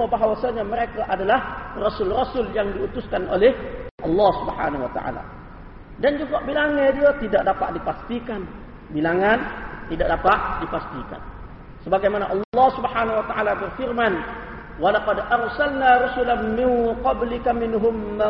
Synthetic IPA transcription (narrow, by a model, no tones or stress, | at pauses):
abaɦwasaɲaməɾekaʔadalahrosʊlrosʊljaŋdiut̪ʊskanʔo̰lɛhʔɑ̰lːɑhsubəħa̰nawa̰t̪a̰ʔa̰la̰ | dand͡ʒuɡaʔbilaŋadiat̪idaʔ̚dapa̰ʔdipast̪ikan | bilaŋant̪idaʔdapaʔdipast̪ika̰n | səbaɡajmanaʔɑllːɑhsubəhanawat̪aʔalabərfirman | walaqadʔarsalnaɾusʊlanmɪnqɑblɪkamɪnɦʊmːa